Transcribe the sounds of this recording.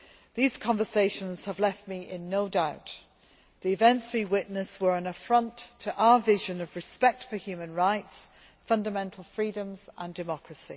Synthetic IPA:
ðiz̥kʰɒ̃ɱvəseɪʃə̃nz̥əvlɛft̚miʔɪ̃nːoʊdaʊʔ | ðiɪvɛ̃ntswiwɪʔnəswə˞ə̃nəfɹʌ̃ntʰəʔaʊəvɪʒə̃nəvɹɨspɛk̚tfə˞hjʉːmə̃nɹaɪts | fʌ̃ndəmɛ̃ntʰˡl̩ˠfɹiːdə̃mz̥ʔə̃ndɨmɒkɹəsi

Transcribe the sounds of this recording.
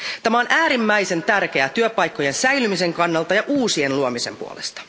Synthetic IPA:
t̪æmæonʔæːɾimːæjse̞nt̪ærk̟eæt̪yøpɑjkːo̞jensæjlymiseŋkɑnːɑlt̪ɑjɑʔuːsienluomise̞̰mpṵo̰le̞̰st̪ɑ̥

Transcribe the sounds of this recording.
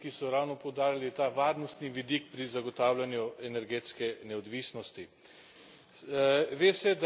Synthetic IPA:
kisɔɾawnɔpɔwd̪aːɾjalit̪aʋaːɾnɔst̪niʋid̪ik̚pɾizaɡɔt̪aːwlʲanjuɛnɛɾɡeːt̪skɛnɛɔd̪ʋiːsnɔst̪i | ʋeːsɛd̪

